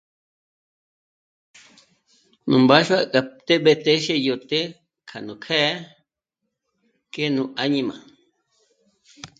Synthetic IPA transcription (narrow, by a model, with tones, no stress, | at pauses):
nũ˨mba˦ʃwa˦kʼa˨t̪e˦ɓe˧t̪e˦ʃe˦jo˨t̪e˦ | kʰa˨nũ˨kʰɛ˦ | ke˦nũ˧ʔa˧ɲĩ˧mã̰˨